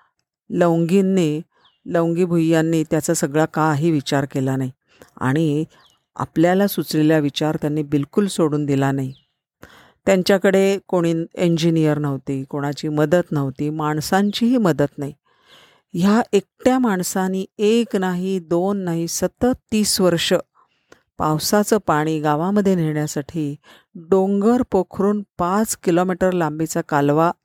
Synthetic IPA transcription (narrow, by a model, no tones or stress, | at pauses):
ləʋŋɡinːiː | ləʋŋɡiːbʱujːanːiːt̪jat͡sasəɡɭakaɦiːʋit͡ɕaɾkelanaɦi | a̰ɽ̃i | a̰pljalasut͡sleljaʋit͡ɕaɾt̪janːiːbilkulsoɽuːnd̪ilanaɦi | t̪jaɲt͡ɕjakəɽekoɽ̃iːeɲd͡ʑinijəɾnəʋt̪iːkoɽ̃at͡ɕiːməd̪ət̪nəʋt̪iːmaɳsãɲt͡ɕiːɦiːməd̪ət̪naɦi | ɦjaʔek̚ʈjamaɳsaniːeknaɦiːd̪onːaɦisət̪ət̪ːiːsʋəɾʂə | pawsat͡səːpaɽ̃iːɡaʋãməd̪ʱːjeniɭɳjasaʈʰiː | ɖoŋɡəɾpokʰɾuːnpat͡skilomiʈəɾlambit͡sakalʋa